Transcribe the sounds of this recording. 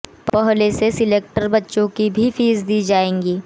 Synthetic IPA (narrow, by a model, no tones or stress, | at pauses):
pɐɦlesesɪleːk̚ʈəɾbɐtːʃõkibʱifiːzd̪iːd͡ʒaːẽːŋɡiː